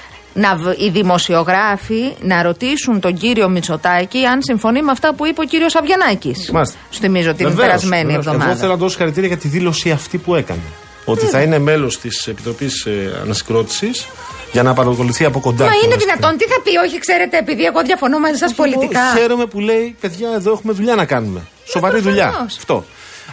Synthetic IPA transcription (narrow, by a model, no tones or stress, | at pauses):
nɐiðimo̞sio̞ɣɾɐfinɐɾo̞t̪isunt̪o̞ɲɟiɾio̞mit͡so̞t̪ɐciɐnsiɱfo̞nimeɐft̪ɐpuipeociɾio̞sɐvʝɐnɐcismɐs | sθimizoot̪invepeɾɐzme̞nievðomɐɣoðθelonɐt̪oðoso̥xɐɾit̪iɾiɐʝɐt̪iðilo̞siɐft̪ipue̞kɐ̰ne | o̞t̪iθɐine̞me̞lo̞st̪ise̞pit̪ɾo̞pisɐ̰nɐsi̥ɡɾo̞t̪i̥sis | ʝɐnɐpɐɾɐko̞luθiɐpo̞ko̞nd̪ɐmɐiineðinɐt̪o̞nt̪iθɐpio̞çikse̞ɾe̞t̪eːpiðieɣo̞ðʝɐfo̞nomɐzisɐspo̞liikɐçe̞ɾome̞pule̞ipeðʝɐeðoe̞xume̞ðuʎɐnɐkɐnume̞ | so̞vɐɾiðuʎɐɐft̪o̞̰